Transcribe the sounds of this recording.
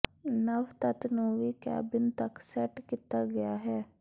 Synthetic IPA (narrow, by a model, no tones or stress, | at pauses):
nɐʋt̪ɐt̪nũʋiːkɛ̰ːbɪnt̪ɐksɛʈkɪt̪ːaːɡɐjaːɦɛː